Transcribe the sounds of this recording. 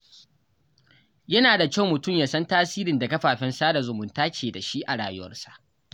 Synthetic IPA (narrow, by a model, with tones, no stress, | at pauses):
jɐ˦naː˨da˨ka˦˨wmːʊ˨tʊ˦˨mjaː˦sɐ˦ntaː˦siː˦ɾɪ˨nda˨kɐ˦ɸaː˨ɸɛ˦nsaː˦da˨zʊ˨mʊ˨ntaː˦t͡ʃeː˨da˨ʃi˦ʔa˨ɽaː˨jʊ˦wɐ̰˦rsa˨ʔ